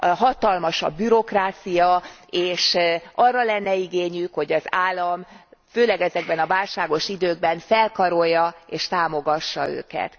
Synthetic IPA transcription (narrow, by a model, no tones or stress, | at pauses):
ɦɒt̪ɒlmɒʃɒ̰bːyɾo̞kraːt̪sijɒeːʃɒrːɒlɛnːɛiɡeːɲykho̞ɟɒzaːlːɒmføːlɛɡɛzɛɡ̚bɛnɒvaːlʃaːɡo̞ʃid̪øːɡ̚bɛnfɛlkɒɾo̞jːɒeːʃt̪aːmo̞ɡɒʃːɒ̰ø̰ːkɛ̰t̪